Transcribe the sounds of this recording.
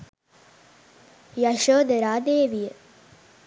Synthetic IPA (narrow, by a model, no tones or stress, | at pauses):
jɐʃoːd̪əɾaːd̪eːʋijə